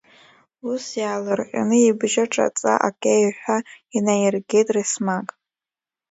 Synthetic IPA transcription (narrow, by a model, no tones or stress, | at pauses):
usjaːlɨrqʲʼa̰nɨibʒaʈ͡ʂʼa̰t͡sʼa̰ʔa̰kʼejħʷᶣainajirɡʲe̞jtʼrismakʼ